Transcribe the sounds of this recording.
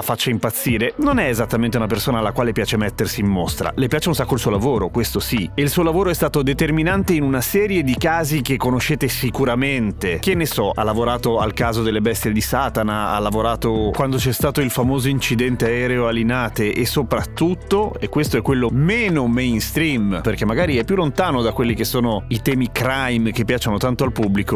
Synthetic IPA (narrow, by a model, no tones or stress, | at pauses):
afat͡ʃːaimpat̪sːiːɾenonɛezat̪ːamẽnt̪eunapersoːnaːlːakwaːlepjaːt͡ʃemɛt̪ːersiːmːost̪ɾa̰lepjaːt͡ʃeunsakːoilsuːolavoːɾokwest̪osieilsuːolavoːɾoɛst̪aːt̪od̪et̪erminant̪einunasɛːɾjed̪ikaːzik̟ekːonoʃːeːt̪esikuɾament̪ek̟enːesɔa̰lːavoɾaːt̪oa̰lkaːzod̪elːebɛst̪jed̪isaːt̪anaa̰lːavoɾaːt̪okwand̪ot͡ʃɛst̪aːt̪oilfamoːzoint͡ʃid̪ɛnt̪eaɛɾeoalːinaːt̪eʔesːopɾat̪ːutt̪ːoekwest̪oɛkːwelːomɛːnomɛjnst̪ɾimperk̟emːaɡaːɾiɛpːjulːont̪aːnod̪akːwelːikesːoːnoit̪ɛːmikɾajmk̟epːjaːt͡ʃːanot̪ant̪oalpubːliko